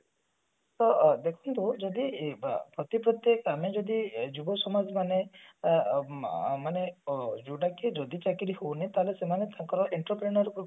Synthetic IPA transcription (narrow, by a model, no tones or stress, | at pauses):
t̪ɔd̪ekʰunt̪ud͡ʒɔd̪ipɾɔt̪ipɾɔt̪jekɔamed͡ʒɔd̪id͡ʒubɔsɔmad͡ʒʱmane | maned͡ʒuɖaked͡ʒɔd̪it͡ʃakiɾihownet̪aɦelesemanet̪aŋkɔɾɔʔeɳʈɾɔpɾenɔɾ